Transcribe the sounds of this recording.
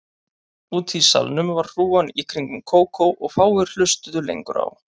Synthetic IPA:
uːt̪ʰisa̰lnʏmvaɾːuːanikʰɾiŋkʏmkʰoːwkʰowʔɔɣfaːwɪɾ̥l̥ʏst̪ʏðʏlḛjŋkʏɾa̰w

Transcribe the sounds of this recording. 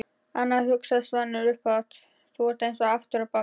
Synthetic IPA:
anːaðhʏksasvanːʏɾʏhpawt̪ | θʰuɛɾ̥t̪ejnsɔaft̪ʏɾapa

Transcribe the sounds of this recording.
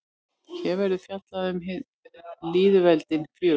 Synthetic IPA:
çɛvɛɾɪðfjat̪laðʏmɦɪð | liːðvɛlt̪ɪnkʰʏː

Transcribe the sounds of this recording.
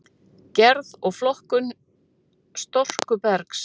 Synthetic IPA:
cɛɾðɔɣflɔhkʏn | st̪ɔr̥kʏpɛɾks

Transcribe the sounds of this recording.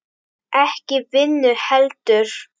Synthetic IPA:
ʔɛhcɪvɪnːʏɾhɛlt̪ʏɾ̥

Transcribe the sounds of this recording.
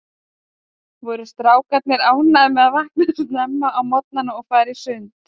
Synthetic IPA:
vɔɾʏst̪ɾaːwkat̪̚nɪɾaːwnaðɪmɛðaðvahknʏst̪nɛmːaʔawmɔt̪̚nanaɔɣfaːjɾɪsʏnt̪

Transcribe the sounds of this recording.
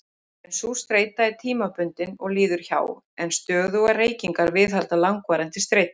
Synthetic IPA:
ɛnsust̪ɾeːjt̪aɛɾt̪ʰiːmapʏnt̪ɪnɔɣliːðʏɾ̥ça̰ːw | ɛnst̪œːɣðʏɣareːjciŋkaɾvɪðɦalt̪alaŋkvaːɾɛnt̪ɪst̪ɾeːjt̪

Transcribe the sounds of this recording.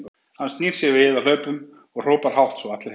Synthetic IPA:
hanst̪niːɾ̥sjɛvɪhɪvalœːɥpʏm | ɔɣr̥oːwpaɾ̥ɦawht̪sɔat̪lɪ

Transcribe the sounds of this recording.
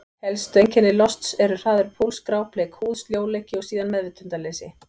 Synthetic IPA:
hɛlst̪ejɲcɛnːɪlɔst̪sɛɾʏr̥aːðʏɾ̥pʰolskɾaːwpleːkhuːðsljoːwleːcɪɔɣsiːðanmɛðvɪt̪ʰʏnt̪alejsɪ

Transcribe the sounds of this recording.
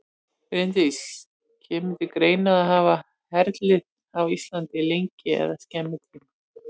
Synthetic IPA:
fɾɪnt̪is | cʰɛːmɪnt̪ɪkɾeːjnaðaɦaːva | hɛɾt̪lɪ | awist̪lant̪ɪlejɲcɪɛ̰ðascɛmːɪt̪lɪn

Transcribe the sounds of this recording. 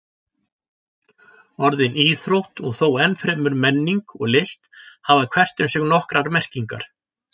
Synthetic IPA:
ɔɾðɪniːθɾowht̪ɔɣθoːwɛnːfɾɛmʏɾmɛnːiŋkɔɣlɪst̪haːvaðkʰv̥ɛr̥t̪ʏmsjɛɣnɔhkɾaɾmɛr̥ciŋka̰ɾ̥

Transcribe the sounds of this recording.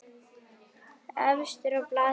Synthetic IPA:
ɛvst̪ɪɾɔplaː

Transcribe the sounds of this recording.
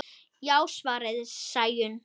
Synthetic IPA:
jaːwsvaːɾɪðsaːjʏn

